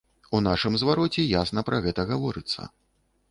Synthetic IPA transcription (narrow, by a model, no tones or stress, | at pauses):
unaʂɨmzvaɾɔt͡sʲɛjasnɐpɾʔɐɣɛt̪ɐɣavɔɾɨt̪sːɐ̰